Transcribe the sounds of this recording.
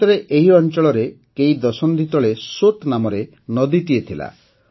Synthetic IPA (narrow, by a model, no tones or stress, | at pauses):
tɔɾeʔeɦiɔnt͡ʃɔɭɔɾe | keid̪ɔsɔnd̪ʱit̪ɔɭesot̪namɔɾe | nɔd̪it̪iet̪ʰila̰